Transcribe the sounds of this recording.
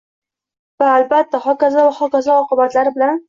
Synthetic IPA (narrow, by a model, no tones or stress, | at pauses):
vaːlbat̪ːaχɒkazavaχɒkazaɒqɨbat̪laɾɪbɪlan